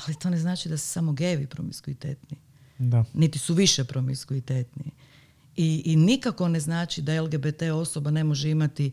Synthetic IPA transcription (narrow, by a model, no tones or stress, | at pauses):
alit̪o̞ːne̞znaːt͡ʃid̪asu̥samo̞ɡeːʋipɾomiskuit̪ḛːt̪ni | d̪anit̪isuʋiʃepɾomiskuit̪et̪ni | iːnikako̞ne̞znaːt͡ʃid̪aelˠɡebet̪eo̞so̞bane̞moʒeimat̪i